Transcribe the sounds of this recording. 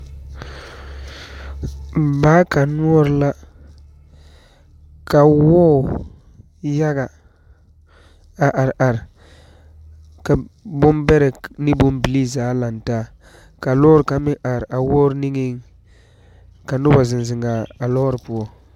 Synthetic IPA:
m̩˨baː˦ka˨nu˦ɔ˦ɾla˦ | ka˨wɔː˦˨ | ja˦ɡa˨ | a˨ʔa˨ɾʔa˨ɾ | ka˨bʊ˦mbɛ˦ɾɛ˨ni˦bʊ˦m˦bi˨li˦zaː˨˦la˨ntaː˦˨ | ka˨lɔː˦ɾka˨mɪ˦ʔa˨ɾʔa˨wɔː˦ɾni˦ŋi˦ŋ | ka˨nʊ˦ba˨zɪ˨nzɪ˨ŋɡa˨a˨lɔ˦ɾpu˦ɔ˦

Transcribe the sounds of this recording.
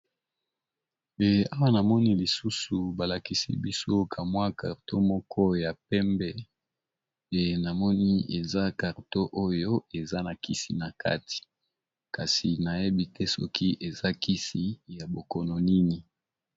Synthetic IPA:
e˨a˦wa˦na˨mɔ˦ni˦li˨su˦su˨ba˨la˨ki˦sḭ˦bi˦so˦kʰa˨mwa˦kʰa˨ʁto˦mɔ˦kʰɔ˦ja˨pɛ˦mbɛ˦ | e˨na˨mɔ˦ni˦ḛ˨za˦ka˨ʁto˦ʔo˦jo˦e˨za˦na˨ki˦si˨na˨ka̰˦ti̥˨ | ka˨si˨na˨je˦bi˦tɛ˦sɔ̰˦kʰi˦ʔe˨za˦kʰi˦si˦ja˨bo˨kɔ˨nɔ˨ni˦ni˨

